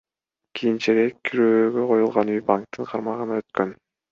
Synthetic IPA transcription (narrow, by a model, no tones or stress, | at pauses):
kʰijint͡ʃeɾekʰʲːyɾøːɡøqʰo̞julˠʁɑnyjpaŋk̚t̪ɯɴqʰɑɾmɑʁɯnɑø̞t̪̚kø̞n